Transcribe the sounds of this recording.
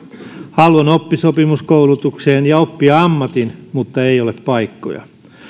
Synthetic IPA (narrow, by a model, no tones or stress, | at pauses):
hɑlːonopːisopimuskoulut̪ukseːnjɑopːiɑɑmːɑt̪inmut̪ːɑeioleppɑikːo̰jɑ̰